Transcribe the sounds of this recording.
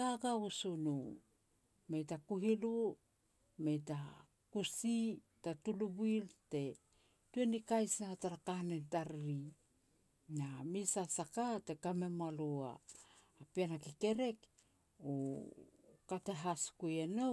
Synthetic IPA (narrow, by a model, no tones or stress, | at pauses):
ɡaɡausunu | me̞jtakuɦilu | me̞jta | kusi | tatulubuilte̞ | tue̞nikajsnataɾakanentaɾɾi | namisasakate̞kame̞malua̰ː | pianakike̞ɾe̞k | o | kate̞ɦaskujeno